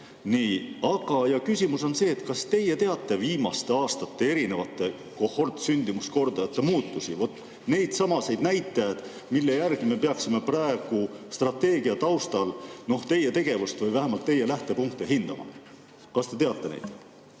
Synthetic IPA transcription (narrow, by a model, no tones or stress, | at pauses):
niːɑɡ̥ɑjɑkysʲimuso̞nse̞ːt̪kɑst̪e̞je̞t̪e̞ɑt̪ˑːe̞viːmɑst̪e̞ɑːst̪ɑt̪ːe̞e̞ɾine̞vɑt̪ːˑe̞ | ko̞ho̞rt̪synʲd̪̥imusko̞rd̪̥ɑjɑt̪ːˑemuːt̪ːˑusivo̞t̪ːˑ | ne̞jd̪̥sɑmɑse̞jd̪næjt̪ˑːejɑd̪̥ | milːe̞jærɡ̥ime̞pe̞ɑksime̞prɑe̞ɡ̥ust̪rɑt̪ːe̞ːɡ̥iɑt̪ɑwst̪ɑlno̞ht̪e̞jːe̞t̪e̞ɡ̥e̞vust̪vɯjvæɦemɑlt̪ːe̞je̞læht̪e̞puŋk̚t̪eɦind̪̥ɑ̰mɑ̰ | kɑst̪e̞t̪e̞ɑt̪ːe̞nḛjd̪̥